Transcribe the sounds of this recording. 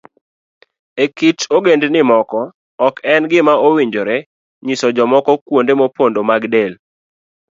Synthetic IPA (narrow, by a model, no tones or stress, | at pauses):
ekit͡ʃoɡendnɪmɔkɔː | kɛnɡɪmaowiɲd͡ʒoɾɛ | ɲisɔd͡ʒɔmɔkɔkwondemopondomaɡdel